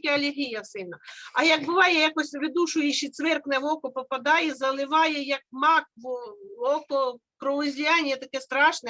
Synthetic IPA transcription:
kʲɛɐlʲɪɦʲijɐsɪnɐɐjɐɡ̚bʊʋɑjɛjakɔsʲʋʲɪd̪uʃʊjɪʃit̪sʋɛrknɛʋɔkɔpɔpɐd̪ɑjɛzɐlˠɪʋɑjɛjɐk̚mɑk̚ʋɔkɔ | kɾɔʊzʲijɑnʲijɛt̪ɐkɛst̪ɾɑʃnɛ

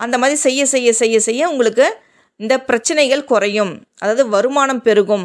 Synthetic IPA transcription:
ɐnd̪ɐmaːðɾisɛjːɐsɛjːɐsɛjːɐsɛjːɐʊŋɡɐɭɯkːɯ | ɪnd̪ɐpɪɾɐt͡ʃːɐnɐɪɣɐɭkʊrɐjɯmʔɐðaːʋɐðɯʋɐɾɯmaːnɐmpɛɾɯɣɯm

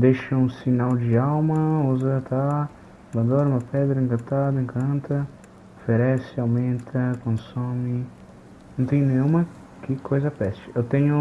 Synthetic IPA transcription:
d̪eʃɐũsinawd͡ʒiawmɐuzɐt̪ʰa | bɐd̪oɾmɐpɛd̪ɾɐĩŋkɐ̃nt̪ad̪ɐĩŋkʰɐ̃nt̪ɐ | ofeɾɛsiawmẽnt̪ʰɐkõnsomi | nõñt̪ẽɲ̃nẽũmɐ | kikʰojzɐpɛsi̥ewt̪ẽɲu

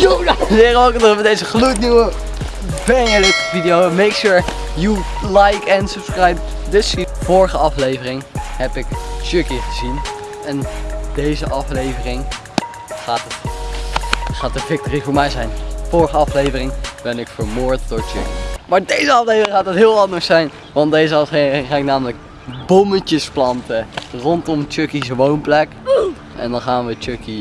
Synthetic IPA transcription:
jojɪːrokədəədejzəχlutniwə | bɛnəlɪkvidijowmejkʃʊɹ | ju | lajkɛ̃nsəpskɹajp̚dɪsivɔːɹχəɑflejvərɪŋhɛpɪkd͡ʒøkiχəzin | ɛndejzəʔɑflejvərɪŋ | χaːt | χaːt̚əvɪk̚toːrivʊːɹmɛjzɛjnfʊːɹχəɑflejvərɪŋb̥ɛnɪkfəɹmʊːɹt̚d̥ʊɹt͡ʃø̰kimaːɹdejzəɑflejvərɪŋχaːtɑtɦɪːlˠɑndəɹsɛjn | ʋɑndejzəɑeɪŋχaːnɪknaːmələk̚ | bɔmət͡ʃəsplɑntərɔntɔmət͡ʃøkisəʋownplɛk | ʔɛ̰ndɑnχaːnʋət͡ʃøki

